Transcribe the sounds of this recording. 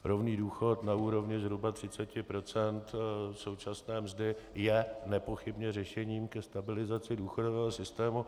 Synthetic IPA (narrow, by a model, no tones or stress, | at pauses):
ɾo̞vniːduːxo̞t̪nauːɾo̞vɲɪzɦɾubat̪r̥ɪt͡sɛcɪpɾo̞t͡sɛnt̪so̞wt͡ʃasnɛːmzdɪjɛnɛpo̞xɪbɲɛr̝ɛʃɛɲiːmkɛst̪abɪlɪzat͡sɪduːxo̞dovɛːɦo̞sɪst̪ɛːmu